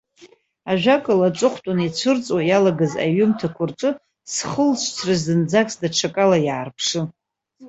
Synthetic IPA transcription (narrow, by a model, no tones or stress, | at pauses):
aʒᶣakʼɨlaʈ͡ʂʷʼʊχʷtʷʼʊnit͡ʃʷʰɨrt͡sʼwajalaɡaza̰ɥʊmtʰakʷʰʊrʈ͡ʂʷʼɨ | sχəlt͡ʃʷʰt͡sʰrɨzdɨnd͡zakʼsdaʈ͡ʂʰakʼalajaːrpʰʂɨ